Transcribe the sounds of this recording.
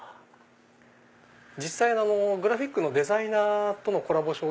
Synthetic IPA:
d͡ʑisːainano̞ɡɯ̟ɾaɸʲikːɯno̞d̪e̞zainaːt̪ono̞ko̞ɾabo̞ɕo̞ː

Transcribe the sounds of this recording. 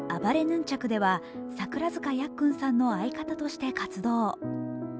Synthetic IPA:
abaɾe̞nɯ̟̃ɲ̟t͡ɕakɯ̟d̪e̞βa | sakɯ̟ɾazɨkajakːɯ̟̃ɰ̃sãnːo̞aikat̪at̪o̞ɕi̥t̪e̞kat͡sɨd̪o̞ː

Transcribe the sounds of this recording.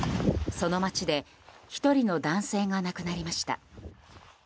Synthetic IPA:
so̞no̞mat͡ɕid̪e̞ | çi̥t̪o̞ɾʲino̞d̪ãɰ̃se̞ːɡanakɯ̟naɾʲimaɕi̥t̪a̰

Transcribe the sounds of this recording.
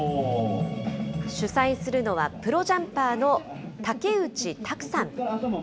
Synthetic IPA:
ɕɨsaisɨɾɯ̟no̞β̞apɯ̟ɾo̞ʑãmpaːno̞ | t̪ake̞ɯ̟t͡ɕit̪ʰakɯ̟̥sãŋ

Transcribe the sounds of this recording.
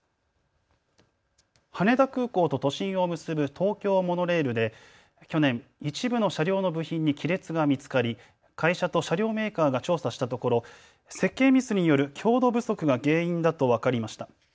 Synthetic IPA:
hane̞d̪akɯ̟ːko̞ːt̪o̞t̪o̞ɕĩɰ̃o̞mɯ̟sɨbɯ̟t̪ʰo̞ːkʲo̞ːmo̞no̞ɾe̞ːɾɯ̟d̪e̞ | kʲo̞nẽ̞ɰit͡ɕibɯ̟no̞ɕaɾʲo̞ːno̞bɯ̟çĩɲ̟ːikʲiɾe̞t͡sɨɡamʲit͡sɨ̥kaɾʲi | kaiɕat̪o̞ɕaɾʲo̞ːme̞ːkaːɡat͡ɕo̞ːsaɕi̥t̪at̪o̞ko̞ɾo̞ | se̞kːe̞ːmʲisɨɲ̟ijo̞ɾɯ̟kʲʰo̞ːd̪o̞bɯ̟so̞kɯ̟ɡaɡe̞ːĩnd̪at̪o̞β̞akaɾʲimaɕi̥t̪a

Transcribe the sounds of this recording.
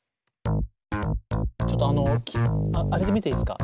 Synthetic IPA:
t͡ɕo̞t̪ːoano̞kʲaaɾe̞d̪e̞mit̪eisɨ̥ka̰

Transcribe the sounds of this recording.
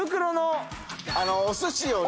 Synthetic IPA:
ɯ̟k̬ɯ̟ɾonoanoːsɨɕio

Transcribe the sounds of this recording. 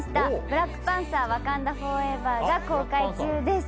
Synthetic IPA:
ɕi̥t̪ab̥ɯ̟ɾakːɯ̥pãɰ̃saːβakãnd̪aho̞ːe̞bad͡ʑakːo̞ːkait͡ɕɨːd̪es

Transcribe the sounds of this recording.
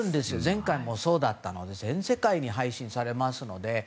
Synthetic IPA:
ɯ̃nd̪e̞sɨjo̞zẽ̞ŋkaimo̞so̞ːd̪at̪ːano̞d̪e̞zẽ̞ɰ̃se̞kaiɲ̟iɦaiɕĩɰ̃saɾe̞masɨno̞d̪e̞

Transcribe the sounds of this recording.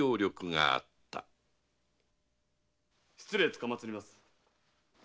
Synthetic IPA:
o̞ːɾʲo̞kɯ̟ŋa̰a̰t̪ːa̰ | ɕɨ̥t͡sɨɾeːt͡sɨ̥kamat͡sɨɾʲimasɨ̥

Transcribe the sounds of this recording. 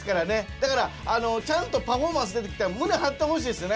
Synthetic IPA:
kaɾane̞d̪̥akaɾaano̞t͡ɕãnt̪o̞paɸo̞ːmãs̬ɨd̪e̞t̪eki̥t̪emɯ̟ne̞ɦãt̪ːehoɕiːd̪esɨone

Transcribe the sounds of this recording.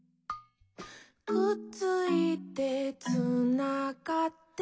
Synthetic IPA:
kɯt͡sɨit̪et͡sɨnakat̪ː

